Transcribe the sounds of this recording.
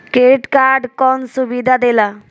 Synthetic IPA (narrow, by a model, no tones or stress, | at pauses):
keʈkaɾɖkɔnsubid̪ʱad̪ela